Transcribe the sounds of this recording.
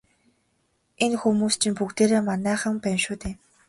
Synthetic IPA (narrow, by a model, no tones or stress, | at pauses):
enxumuːst͡ɕʰɪ̆mpukt̪eːɾeːmanæːχə̆ŋpæmʃuːt̪eː